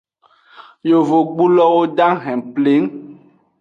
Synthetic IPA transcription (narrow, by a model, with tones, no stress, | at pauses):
jo˨vo˨ɡ͡bu˦lɔ˦wo˦ɖa˦ŋɦɛ̃˨ple˨˦ŋ